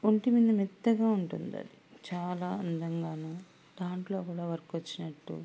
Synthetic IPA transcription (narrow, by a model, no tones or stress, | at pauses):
oɳʈimind̪ɐmid̪ːɐɡaːuɳʈund̪ɐ̰lit͡ʃaːlaːɐnd̪ɐŋɡaːnɐː | d̪aːɳʈlo̞ːkuːɽaːʋɐɾɐkʋɐt͡ʃːinɐʈːṵ